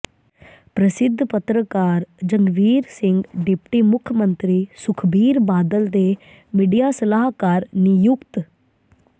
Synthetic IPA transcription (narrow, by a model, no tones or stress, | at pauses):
pɾəsɪd̪ʱːpət̪ɾəkaːɾd͡ʒəŋɡʋiːɾsɪŋɡɖɪpʈiːmʊkʰjəmənt̪ɾiːsʊkʰbiːɾbaːd̪əld̪eː | miːɖijaːsəlaːɦkaːɾnijʊkt̪